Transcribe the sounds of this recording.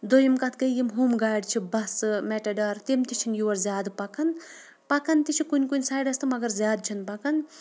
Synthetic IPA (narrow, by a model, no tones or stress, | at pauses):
d̪ojimkɐt̪ʰkɐjimɦumɡaːɖt͡ʃʰibɐsɨmeʈɐɖɐɾt̪imt̪it͡ʃʰinjuwɐɾzʲjaːd̪pɐkɐn | pɐkɐnt̪it͡ʃʰikunʲkunʲsaːjɖɐst̪ʰɨmɐɡɐɾzʲaːd̪̚t͡ʃʰɐnpɐkɐn